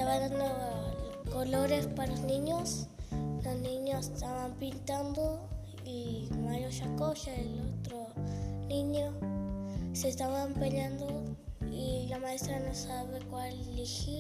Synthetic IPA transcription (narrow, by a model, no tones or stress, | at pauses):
t̪aβeɾðano | koloɾespalosniɲosnoniɲost̪aβampint̪and̪o | imajoʃakoʃaelot̪ɾo | niɲo | sest̪aβampeɲand̪o | ilamaest̪ɾanosaβekʷalːixi